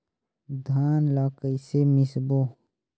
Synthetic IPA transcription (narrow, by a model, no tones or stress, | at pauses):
d̪ʱaːnlaːkəisemɪsboː